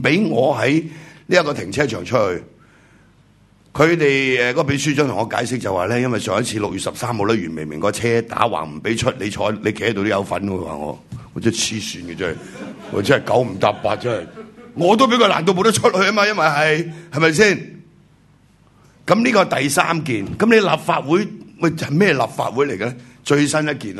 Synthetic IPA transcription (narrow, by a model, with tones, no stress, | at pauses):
pe˨˥jŋɔː˨˧ɦɐ˨˥jliː˥jɐ˥tkɔː˧t̪ʰɪ˨˩ŋt͡sʰɛː˥t͡ʃʰœː˨˩ŋt͡ʃʰɵ˥hɵ˧ɥ | kʰɵ˨˧ɥt̪e˨jɛ˨kɔː˧˥ɔ˧pe˨˥s̬yː˥t͡ʃɔː˥ŋt̪ʰŋːɔː˧ka̰ː˨˥jsɪ˥k̚t͡sɐ˨waː˨˩lɛː˥jɐ˥nwɐ˨jsœː˨ŋɐ˥t̚t͡sʰiː˧lʊ˨k̚jy˨tsɐ˨p̚saː˥mho˨˧wlɛː˥jɥyː˨˩nme˨˩jmɪ˨˩ŋkɔː˧t͡sʰɛː˥t̪a̰ː˨˥wa̰ː˨˩ŋm̩˨˩pe˨˥jt͡ʃʰɵ˥t̚le˨˧t͡ʃʰɔː˨˥le˨˧ke˨hɛ˥t̪o˧t̪o˥jɐ˨˧wfɐ˨˥nɔ˧kʰwa̰ː˨ŋɔ̰ː˨˧ŋɔ̰ː˨˧˩t͡sːt͡sʰiː˥syː˧nɡɛ˧t͡sɛ˥ɐ˨jŋɔ̰˨˧t͡sɐ˥ɐ˨jkɐ˨˥wm̩˨˩t̪aː˧p̚paː˧t̚t͡sɐ˥nhɐ˨˩jŋɔː˨˧t̪̬o˥wpe˨˥kʰla̰˨˩nt̪o˧wmo˨˧wtɐ˥t͡ʃʰɵ˥t̚hɵ˨˧ɥɐ˥maː˧jɐ˥nwɐ˨jɦɐ˨jhɐ˨˩jmɐ˨js̬iː˥˩n | kɐ˨˥mliː˥kɔː˧t̪ɐ˨jsaː˥mkiː˨nkɐ˨˥mle˨˧jlaː˨p̚faː˧t̚wu˨˥jwɐ˨˧hɐ˨jmɛː˥jɛ˨laː˨p̚fa̰ː˧t̚wuː˨˥jle˨jkɐ˧lɛ˥t͡ʃɵ˧ɥsɐ˥njɐ˥t̚kiː˨n